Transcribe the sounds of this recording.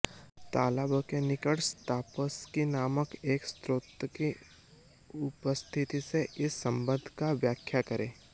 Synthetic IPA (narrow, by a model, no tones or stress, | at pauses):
t̪aːləbəkenɪkəɽst̪aːpəskinaːməkeːkst̪ɾoːt̪ki | ʊpəst̪ʰɪt̪iseʔɪsːɐ̃mbə̃nd̪ʱkaʋjaːkʰjakɐɾẽː